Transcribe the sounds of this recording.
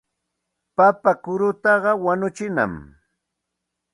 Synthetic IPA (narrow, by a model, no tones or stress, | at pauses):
papakʊɾʊt̪ɑɢɑwanʊt͡ʃɪna̰m